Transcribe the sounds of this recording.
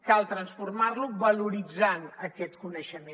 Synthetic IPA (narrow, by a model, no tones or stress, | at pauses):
kalˠt̪ɾənsfurmarluβəluɾid͡zanəkɛt̪kunəʃəmẽ